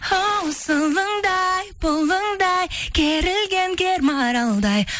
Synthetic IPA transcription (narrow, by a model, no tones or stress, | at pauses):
howsəlˠəɴd̪ɑjpʊlˠːəɴd̪ɑjkʲʰeɾɪlɡʲeŋkʲeɾmɑɾɑlˠd̪ɑj